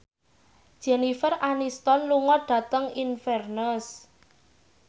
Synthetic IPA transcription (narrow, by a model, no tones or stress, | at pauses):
d̥ʒ̥ɛnifəranist̪ɔnluŋɔɖ̥ä̤t̪əŋinfɛrnəs